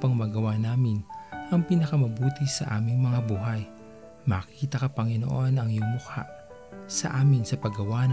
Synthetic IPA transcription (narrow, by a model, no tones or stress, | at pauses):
pɐŋmɐɡɐwaːnaːmɪnʔɐŋpinɐkɐmɐbuːt̪isɐ̰ʔaːmɪŋmɐŋabuːɦɐj | mɐkiːt̪ɐkɐpɐŋɪno̰ʔo̞nɐŋjʊmʊka̰ʔ | sɐʔaːmɪnsɐpɐɡɐwaː